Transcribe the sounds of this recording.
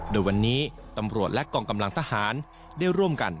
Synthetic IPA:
doː˧jwa˧nːiː˦˥ | t̪a˧mɾu˨˩ət̪̚lɛ˦˥ʔkɔː˧ŋka˧mla˧ŋt̪ʰa˧haː˩˦n | daː˥˩jɾu˥˩əmka˧n

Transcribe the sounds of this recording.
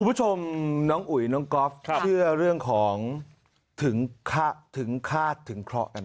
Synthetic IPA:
kʰu˧mbu˥t͡ɕʰo˧mnɔː˦˥ŋʔu˨˩jnɔː˦˥ŋkɔ˦˥f̚t͡ɕʰɯ˥˩ɐɾɯ˥˩əŋkʰɔː˩˦ŋ | t̪ʰɯ˩˦ŋkʰa˦˥˩t̪ʰːɯ˩˦ŋkʰaː˥˩t̪ʰːɯ˩˦ŋkʰɾɔ̰˦˥ʔka˧n

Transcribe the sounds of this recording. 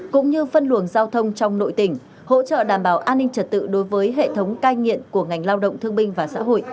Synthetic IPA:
kʊ̰˧˥ŋ͡mɲɨ˧fə˧nlə˨˩ənzaː˧wt̪ʰə˧wŋ͡mt͡ɕɔ˧wŋ͡mno̰˧˨jt̪ï˨˩ŋ̟ | ho̰˧˥t͡ɕə̰ː˧˨ɗaː˨˧˩mɓaː˧˩wʔaː˧nːï˧ŋ̟t͡ɕə˨˩t̚t̪ɨ̰˧˨ɗo˨˦jvəː˨˦jɦḛ˧˨t̪ʰə˨˦wŋ͡mkaː˧jŋḭ˧˨əmku˧˩əŋa˨˩ŋ̟laː˧wɗə̰˧˨wŋ͡mt̪ʰɨ˧əŋɓï˧ŋ̟vaː˨˩sa̰ː˧˥ɦo̰˧˨jʔ

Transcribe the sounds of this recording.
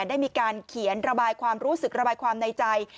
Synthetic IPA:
daː˥˩jmiː˧kaː˧nkʰi˩˦ənɾa˧baː˧jkʰwaː˧mɾuː˦˥sɯ˨˩k̚ɾa˧baː˧jkʰwaː˧mna˧jt͡ɕa˧j

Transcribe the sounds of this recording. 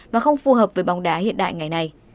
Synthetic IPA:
vaː˨˩xə˧wŋ͡mfu˨˩ɦəː˨˩p̚vəː˨˦jɓa˨˦wŋ͡mɗaː˨˦hḭ˧˨ənɗa̰ː˧˨jŋa˨˩jna˨˩j

